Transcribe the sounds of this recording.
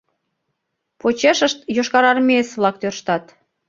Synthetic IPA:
pot͡ɕeʃəʃt̪joʃkɑɾɑrmeesβlɑk̚t̪ørʃt̪ɑt̪

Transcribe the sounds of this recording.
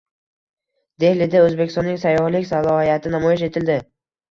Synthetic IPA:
d̪̥e̞lɪd̪aɵzbekʲɪst̪nːɪŋʲsajːɒhlɪkʲsalˠɒhijat̪ʰɪnamɒjɪʃe̞t̪ʰɪld̪ɪ

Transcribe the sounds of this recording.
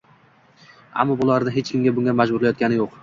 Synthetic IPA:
a̰mːɒbʊlˠaɾd̪ɪɦet͡ʃkʲʰɪmɡʲabʊŋɡʲamad͡ʒbʊɾlajɒt̪kʲanɪjoq

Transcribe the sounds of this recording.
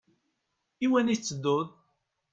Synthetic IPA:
iwænit͡sːəd̪ːʊðˤ

